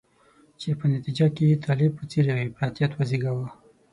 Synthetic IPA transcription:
t͡ʃepənat̪id͡ʒaket̪ʰɑlɪb̚pət͡seɾaebɾɑt̪ijat̪waziɡawa

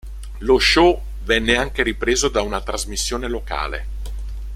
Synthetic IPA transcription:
loʃːo | vɛnːeaŋk̟eɾipɾeːzod̪aunat̪ɾazmisːjoːneloka̰ːlḛ

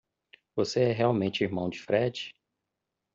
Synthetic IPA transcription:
voseɛɦeawmẽnt͡ʃɪiɾmɐ̃w̃d͡ʒɪfɾɛd͡ʒɪ̥

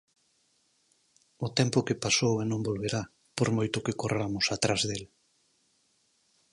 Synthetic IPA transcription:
ʊt̪ɛmpʊkepasowɛnõmbolβeɾa | poɾmojt̪ʊkekorʔamʊsat̪ɾazðel

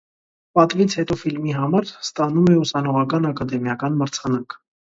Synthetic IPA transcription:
pɑt̪vit͡sʰhɛt̪ɔfilmiɦɑmɑɾst̪ɑnumɛusɑnɔʁɑkɑnɑkɑd̪ɛmjɑkɑnməɾt͡sʰɑnɑk

